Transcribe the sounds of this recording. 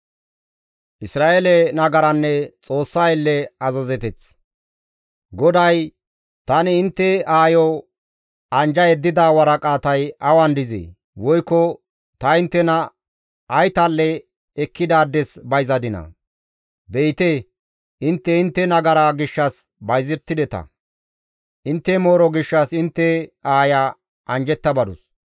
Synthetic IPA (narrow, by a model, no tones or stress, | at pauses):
ʔɪsɾaːʔelɛnɐɡɐɾɐnːɛt͡sʼo̞ːsːaɪlːɛɐzɐzɛt̪ɛt͡s | ɡɔd̪ɐj | t̪ɐnɪɪnt̪ːɛaːjɔ | ɐnd͡ʒɐjɛd̪ːɪd̪aːwɐɾɐkʼaːt̪ɐjɐwɐnd̪ɪzḛː | wɔjkːɔ | t̪ɐɪnt̪ːɛnɐ | ʔːjt̪alːɛː | kːɪd̪aːd̪ɛsbɐjzɐd̪ɪnɐ̰ | bɛjt̪ɛ | ɪnt̪ːɛɪnt̪ːɛnɐɡɐɾaɡɪʃːɐs | bɐjzɪɾt̪ːɪd̪ɛt̪ɐ̰ | ʔɪnt̪ːɛmo̞ːɾɔɡɪʃːɐsɪnt̪ːɛaːja | ʔɐnd͡ʒɛt̪ːɐbɐd̪ʊs